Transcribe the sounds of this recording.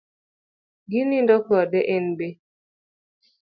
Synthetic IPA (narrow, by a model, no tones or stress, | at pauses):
ɡinindɔkɔdɛʔɛnbe